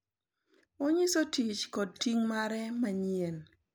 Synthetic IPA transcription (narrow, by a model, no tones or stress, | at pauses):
oɲisotit͡ʃkɔd̚tiŋmaɾɛmaɲjen